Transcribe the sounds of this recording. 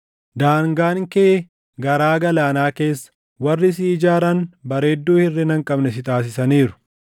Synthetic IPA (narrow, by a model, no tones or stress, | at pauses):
d̪aːŋɡaːŋkɛʔ | ɡɐɾaːɡɐlaːnaːke̞ːsːɐ̥ | wɐrːɪs̬iːd͡ʒaːɾɐnbɐɾe̞ːd̪ːuːhɪrːɪnɐŋkʼɐbnɛsɪt̪aːs̬ɪsɐniːɾʊ̥